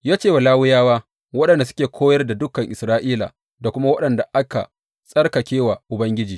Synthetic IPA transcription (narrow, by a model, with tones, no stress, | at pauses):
jaː˦t͡ʃeː˦wa˨laː˦wʊ˦jaː˦waː˦ | wɐ˦ɗɐ˨nda˨sʊ̥˦kʲeː˨kʷʰoː˦jɐ˦rda˨dʊ˦kːɐ˨ŋʔɪ˨sɾaː˦ʔiː˦la̰ː˨ | da˨kʷʊ˦ma˦wɐ˦ɗɐ˨nda˨ʔa˦ka̰˨ | sʼɐ˦rkɐ˨kʲeː˦wa˨ʔʊ˨bɐ˦ŋɡʲɪ˦d͡ʒiː˨